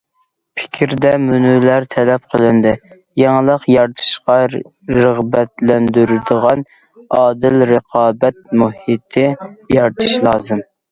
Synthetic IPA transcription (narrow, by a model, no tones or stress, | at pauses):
pʰɪ̥kʲʰɾd̪ɛmynylæɾt̪ʰɛlɛp̚qʰəlˠɨnd̪ɨ | jɑŋlˠəqjɑɾt̪ʰɨ̥ʃqɑ | ɾəʁbɛt̪lɛnd̪yɾɪd̪əʁɑn | ɑːd̪ɪlɾəqʰɑːbɛt̪̚muhit̪ʰɪjɑɾt̪ʰɨ̥ʃlˠɑːzɨm